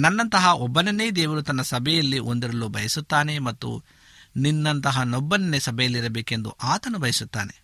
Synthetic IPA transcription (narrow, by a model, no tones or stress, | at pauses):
nɐnːɐnt̪ɐɦɐʔɔbːɐnɐnːeːd̪ɛːʋɐɾut̪ɐnːɐsɐbʱɛjɐlːiʔo̞nd̪iɾɐlubʱɐjɐsut̪ːaːne̞mɐt̪ːṵ | ninːɐnt̪ɐɦɐnɔbːɐnɐnesɐbʱɛjɐlːiɾɐbeːke̞nd̪ṵʔaːt̪ɐnubʱɐjɐsut̪ːa̰ːnḛ